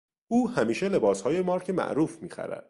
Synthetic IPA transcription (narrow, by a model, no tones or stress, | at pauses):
uːhæmiːʃe̞le̞bɒːshɒːje̞mɒːɾcʰemæ̰ʔɾuːfmiːxæ̰ɾæ̰d̪̥̚